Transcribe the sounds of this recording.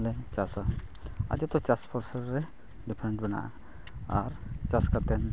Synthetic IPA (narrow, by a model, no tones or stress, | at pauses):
lɛt͡ʃasa | a̰d͡ʒɔt̪ɔt͡ʃaspʰɔɾsəɾɾɛ | ɖipʰɾɛɳʈbɛna̰ʔa | aɾt͡ʃaskat̪ɛn